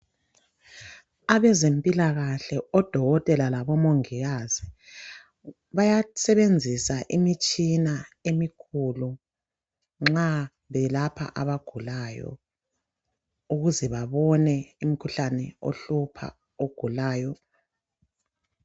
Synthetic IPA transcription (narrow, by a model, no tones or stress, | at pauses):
aβɛzempʼilaɣaɬɛɔd̥ʱɔɣɔtʼɛlalaβɔmoŋiɣazi | βajasɛβend͡zʱisaʔimit͡ʃʼinaemikʰulu | ŋ͡ǁa | βɛlapʰa̰ʔaβaɡ̥ʱulaːjɔ̰ | uɣuzɛβaβɔnɛimikʰuɬanɛo̰ɬupʰa̰ | oɡ̥ʱulaːjɔ